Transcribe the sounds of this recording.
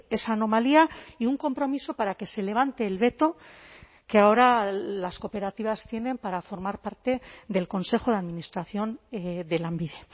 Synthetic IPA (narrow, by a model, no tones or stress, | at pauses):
e̞saːno̞maliaiuŋko̞mpɾo̞miso̞paɾake̞se̞le̞β̞ant̪e̞ːlβe̞t̪o̞ | keao̞ɾalasko̞pe̞ɾat̪iβast̪je̞nẽ̞mpaɾafo̞ɾmaɾpaɾt̪e̞ðe̞lko̞nse̞xo̞ðeaðminist̪ɾaθjo̞nd̪e̞lambiðe̞